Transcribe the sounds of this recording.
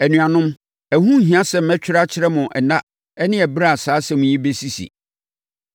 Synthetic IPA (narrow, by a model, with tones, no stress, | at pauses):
æ˨nũ˨ã˨nʊ̃˦m | æ˨hũ˦ɦĩ˨ã˦sɛ˨m̩˨˦mɛ̃˦t͡ɕᶣɪ˦ɾa˦t͡ɕʰɪ˦ɾɛ˦mʊ̃˨ʔɛ˨nã˦ | ɛ˦nɪ̃˦ɛ˨bɾa˦˨saː˨˦sɛ˦mʊ̃˨˦ĩ˦be˦si˦sḭ˨